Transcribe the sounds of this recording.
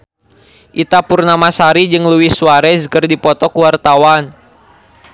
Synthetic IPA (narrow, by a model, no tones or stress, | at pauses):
ʔit̪apurnamasaɾid͡ʒɨŋluwisuaɾɛskərdipɔt̪ɔkuwart̪awan